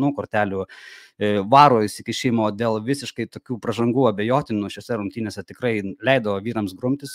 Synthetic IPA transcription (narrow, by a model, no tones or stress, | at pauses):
nuːkoːɾʲt̪ʲæːlʲuː | ʋɑːɾoːjɪsɪkʲɪʃʲiɪmoːd̪ʲeːlˠʋʲɪsʲɪʃkɐɪt̪oːkʲuːpɾɐʒɐŋɡuːɐbʲejoːt̪ʲɪnuʃʲoːsʲɛɾʊŋkt̪ʲiːnʲeːsʲɛt̪ʲɪkɾɐɪlʲɛɪd̪ɐʋoːʋʲiːɾɐmsɡɾʊmʲt̪ʲɪs